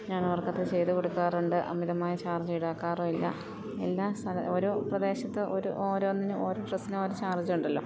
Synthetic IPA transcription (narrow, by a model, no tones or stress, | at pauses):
ɲaːnɐʋɐrkːɐt̪ːet͡ɕe̞jt̪uko̞ɽukːaːruɳɖɨʔɐ̰mːiðɐmaːjit͡ɕaːrd͡ʑujiɽaːkːaːroːilːɐ̰ | e̞lːaːst̪ʰɐlɐoɾuprɐd̪e̞ːɕɐt̪ːɨʔoɾuʔoːɾoːnːinɨʔoːɾoːʈrɐsinɨoːɾut͡ɕaːrd͡ʑiuɳɖɐlːo̞̰ː